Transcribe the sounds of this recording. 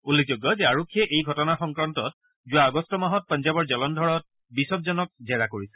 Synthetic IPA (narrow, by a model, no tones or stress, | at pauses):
ulːek̚ʰzoɡːɔzɛaɹokʰːijɛʔejɡʱɔtɔnaxɔŋkɹantɔt̚ | zʊwaːɡɔstɔmaɦɔt̚pɔnzabɔɹzɔlɔndʱɔɹɔt̚ | bisɔp̚zɔnɔk̚zɛɹakoɹisɛ̥